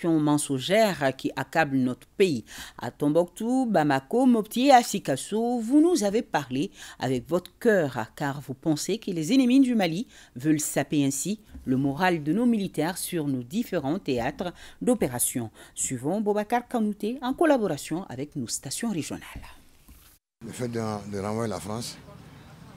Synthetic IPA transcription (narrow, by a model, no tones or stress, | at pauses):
jɔ̃mɑ̃sɔ̃ʒɛʁkʲiʔakablnɔt̪χəpeia̰t̪ɔ̃bɔk̚t̪ubamakomɔpt̪jeasikasovunuzavepaʁlea̰vɛkvɔt̪χə̥kœːʁkaʁvupɑ̃sekəlezenemind̪ymalivœlsapeɛ̃siləmɔʁald̪ənomilit̪ɛʁsyʁnod̪ifeʁɑ̃t̪eat̪χəd̪opeʁasjɔ̃sɥivɑ̃bobakaʁkãnut̪eɑ̃kɔlabɔʁasjɔ̃ʔa̰vɛknost̪asjɔ̃ʁeʒjɔ̰na̰l | ləfɛt̪̚d̪əd̪əɾɑ̃vajelafɾɑ̃s